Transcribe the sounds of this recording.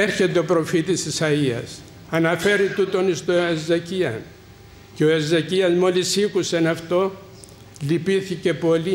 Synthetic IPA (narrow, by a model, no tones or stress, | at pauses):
eɾçe̞t̪eo̞pɾo̞fit̪ist̪isɐiɐ̰s | ɐnɐfe̞ɾit̪ut̪o̞nist̪oezeciɐn | ceoezɐciɐzmo̞lisikusenɐft̪o̞ | lipiθice̞po̞li